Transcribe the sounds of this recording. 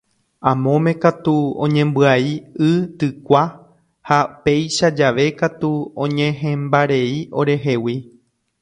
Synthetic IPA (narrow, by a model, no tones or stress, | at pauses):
ãmõ̞mẽ̞kat̪uõ̰ɲẽ̞mbɨaiɨt̪ɨkʷa | hape̞jʃad͡ʒaʋe̞kat̪uõɲẽɦẽmbaɾe̞io̞ɾe̞ɦe̞wi